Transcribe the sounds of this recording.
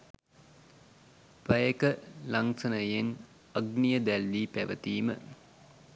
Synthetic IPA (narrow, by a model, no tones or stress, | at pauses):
pəjəkəlaŋsɐnəjen | ɐɡnijəd̪ælːiːpæʋə̰t̪iːmə̰